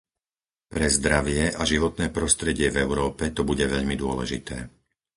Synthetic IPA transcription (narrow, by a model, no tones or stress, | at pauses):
pɾɛzd̪ɾaʋɪɛʔaʒiʋɔt̪nɛːpɾɔst̪ɾɛɟɪɛvɛʊɾɔːpɛt̪ɔbuɟɛʋɛʎmid̪ʊɔlɛ̰ʒḭt̪ɛ̰ː